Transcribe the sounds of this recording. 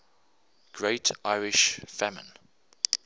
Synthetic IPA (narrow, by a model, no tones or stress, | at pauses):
ɡ̥ɹeɪtʰaɪɹɪʃfæmə̰̃n